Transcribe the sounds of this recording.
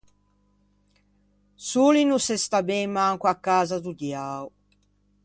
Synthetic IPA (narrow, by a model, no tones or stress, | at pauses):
sulinusɛst̪abɛmːaŋkuakːaːzad̪ud̪jaːu